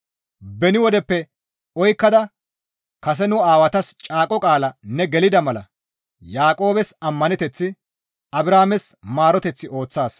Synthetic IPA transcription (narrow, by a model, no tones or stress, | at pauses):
bɛnɪwɔd̪ɛpːɛ | ɔjkːɐd̪ɐ | kɐs̬ɛnʊaːwɐt̪ɐst͡ʃʼaːkʼɔkʼaːlɐnɛɡɛlɪd̪ɐmɐlɐ̰ | jaːkʼo̞ːbɛsɐmːɐnɛt̪ɛt͡sːɪ | ɐbɾaːmɛsmaːɾɔt̪ɛt͡sːɪʔo̞ːt͡sːaːs